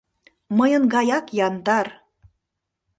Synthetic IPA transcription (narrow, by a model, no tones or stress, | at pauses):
məjənɡɑjɑkjɑnd̪ɑr